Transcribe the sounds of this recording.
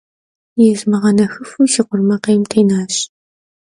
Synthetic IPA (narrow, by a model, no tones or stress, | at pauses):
jɛzmɨʁɐnɐxɨfuːʃiːqʷʊrmɐqeːmtʰejnaːɕ